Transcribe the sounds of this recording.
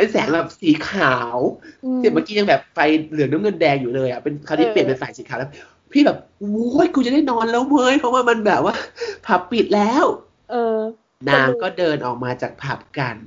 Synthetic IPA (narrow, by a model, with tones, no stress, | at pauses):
pe˧nsɛː˨˩˦ŋbɛː˨˩p̚siː˨˩˦kʰaː˩˦wsi˨˩˦maː˦˥kiː˧ja˧ŋbɛː˨˩p̚fa˧jlɯ˨˩˦ŋna˦˥mŋɤ˧ndɛː˧ŋjuː˨˩lɤː˧jʔa˨˩pe˧nkʰaː˨˩˦t̪ʰi˥˩pli˨˩ənpe˧nfaː˨˩jsiː˩˦kʰaː˨˦lɛː˧˥ | pʰiː˥˩bɛː˨˩p̚ | u˦˥jku˧t͡ɕa˨˩da˥˩jnɔː˧˥nla˦˥˩wmɤː˧˥jkʰa˧˥˦wmaː˧˥˩ma˧nbɛː˨˩p̚waː˥˩pʰa˨˩pːi˨˩t̪̚lɛː˦˥˩w | ʔɤː˧ | naː˧ŋkɔː˥˩dɤː˧nʔɔː˨˩k̚maː˧t͡ɕaː˨˩k̚pʰa˨˩p̚ka˧n